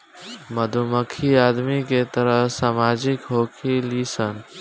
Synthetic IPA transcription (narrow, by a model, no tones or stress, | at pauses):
məd̪ʱuməkʰiaːd̪miket̪əɾəɦsaːmaːd͡ʒɪkɦoːkʰilisən